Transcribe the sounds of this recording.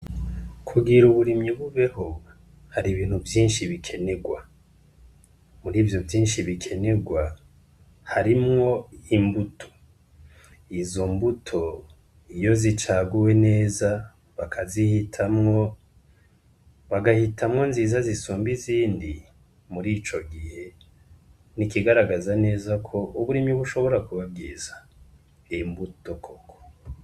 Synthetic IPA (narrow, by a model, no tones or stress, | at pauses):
kʰuɡiɾuβuɾimɲiβuβe̞ho | haɾiβiːn̥huvjiːnʃiβikʰe̞ne̞ɡwa | muɾiːvjo̞vjiːnʃiβikʰe̞ne̞ɡwa | haɾimŋo̞imbutʰo̥ | izo̞mbutʰo̞ | ijo̞zit͡ʃaːɡuwe̞ne̞ːza | βakʰazihitʰamŋo̞ | βaɡahitʰamŋo̞nziːzazisuːmbiziːndi | muɾiːt͡ʃo̞ɡihe̞ | nikiɡaɾaɡazane̞ːzakʰo̞ʔuβuɾimiβuʃo̞βo̞ɾakuβab̚ɡiːza | imbuto̞kʰoko̥